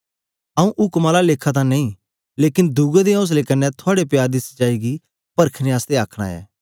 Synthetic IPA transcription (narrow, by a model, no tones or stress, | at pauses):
ɐũʔʊkmaːlaleːkʰat̪̬ãnɐĩ | leːkɪnd̪uɡed̪eos̬lekɐnːɛt̪ʰʊaːɽepɪjaːɾd̪ɪst͡ʃaːiɡi | pɐɾkʰneaːst̪eaːkʰɽ̃a̰ɛ̰ː